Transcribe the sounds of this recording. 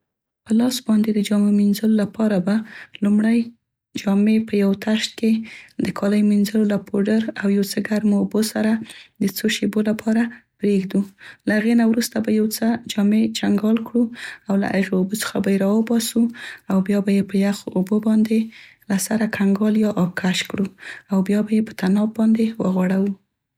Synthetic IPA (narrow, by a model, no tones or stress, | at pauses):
pəlɑsbɑnd̪ed̪əd͡ʒɑmeminzəlolapɑɾabalumɽaj | d͡ʒɑmepəjawt̪aʃt̪̚ked̪əkʰɑlajminzəlolapoɖəɾawjawt͡səɡaɾmoːbosaɾad̪ət͡soʃebolapʰɑɾapɾeɡd̪ulaaɣenawɾust̪abajawt͡səd͡ʒɑmed͡ʒaŋɡɑlkɽuawla̰ʔaʒoobot͡sə̥xabajeɾɑwəbɑsuawbjɑbajepəjaxoʔobobɑnd̪elasaɾakʰaŋɡɑljɑʔːkʰaʃkɽuawbjɑbajepə̥t̪anɑb̚ɑnd̪ewəɣwɑɽawu